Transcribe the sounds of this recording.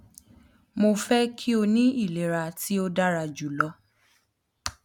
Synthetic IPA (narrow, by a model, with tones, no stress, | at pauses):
mo˧fɛ˦kʰi˦o˧nĩ˦i˦˨le˨ɾa˧tʰi˦o˦da˦ɾa˧d͡ʒu˨lɔ˧˦